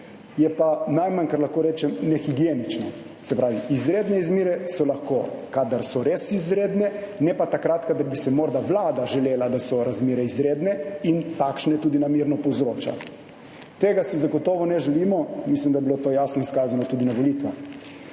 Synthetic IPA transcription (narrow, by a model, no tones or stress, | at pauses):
jɛpanajmankaɾlaxkoːɾɛːt͡ʃɛmnɛxiɡjenit͡ʃnɔ | sɛpɾaːʋiizɾeːd̪nɛizmiːɾɛsɔlaxkoːkad̪aɾsɔɾesizɾeːd̪nɛnɛpat̪akɾat̪kad̪aɾbisɛmɔɾd̪aʋlaːd̪aʒɛleːlad̪asɔɾazmeːɾɛizɾeːd̪nɛint̪akʃnɛt̪uːd̪inamiːɾnɔpɔwzɾoːt͡ʃa̰ | t̪eːɡasizaɡɔt̪ɔːʋɔnɛʒɛliːmɔmislimd̪ajɛbilot̪oːjasnɔiskaːzanɔt̪ud̪inaʋolit̪ʋa̰x